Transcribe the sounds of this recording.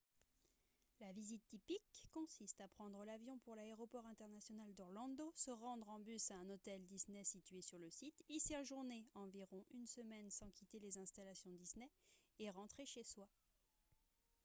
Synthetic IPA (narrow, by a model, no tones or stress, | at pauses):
lavizit̪ːipikːɔ̃sist̪apχɑ̃d̪ʁəlavjɔ̃puʁlaeʁɔpɔʁɛ̃t̪ɛʁnasjɔnald̪ɔʁlɑ̃d̪osəʁɑ̃d̪ʁɑ̃bysaɛ̃not̪ɛld̪isnɛsit̪ɥesyʁləsit̪isɛʁʒuʁneɑ̃viʁɔ̃ʔynsəmɛnsɑ̃kʰʲit̪elezɛ̃st̪alasjɔ̃d̪isnɛeʁɑ̃t̪χeʃeswa